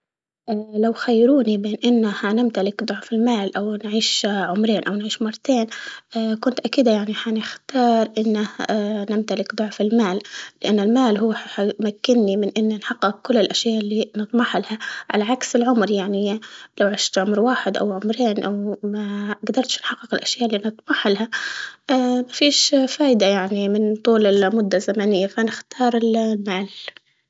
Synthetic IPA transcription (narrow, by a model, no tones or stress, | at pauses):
ʔalawxajːɾuːnibeːnʔɪnːahanɪmt̪alɪkd̪ˤʊʕfɪlmaːlʔawnʕiːʃʕʊmɾeːnʔawnʕiːʃmɑrˤːɑt̪eːnʔakʊnt̪ʔakiːd̪jaʕniħanɪxt̪ɑːɾˤʔɪnːanɪmt̪alɪkd̪ˤʊʕfɪlmaːllɪʔanːɪlmaːlɦuːħħamakːɪnːimɪnʔɪnːanħɑqːɪkkːʊlːɪlʔaʃjaːʔlːinɨt̪ˤmɑħalhaʕa̰laʕaksɪlʕʊmɾjaʕnilawʕaʃt̪ʕʊmɾwaːħɪd̪ʔa̰wʕʊmɾeːnʔawmaɡd̪ɑɾˤt̪ʃnħɑqːɪqɪlʔaʃjaːʔlːinɨt̪ˤmɑħalhaamafiːʃfaːʔd̪ajaʕnimɪnt̪ˤuːlɪlmʊd̪ːazamanɪjːafanɪxt̪ɑːɾˤɪlmaːl